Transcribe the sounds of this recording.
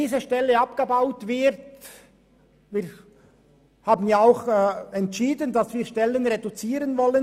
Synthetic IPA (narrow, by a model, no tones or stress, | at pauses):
iːzəʃtɛlːəɑpɡ̥əbaʊtvɪɾt | viːɾ | haːbən̩jaaʊxɛntʃiːdəndɑsv̥iːɐʃtɛlənʁedut͡siːɾənvɔlən